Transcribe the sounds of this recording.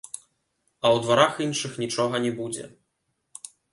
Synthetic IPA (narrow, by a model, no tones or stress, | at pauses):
ɐwd̪vaɾaxinʂɨxnʲit͡ʂɔɣɐnʲɛbud͡zʲɛ̰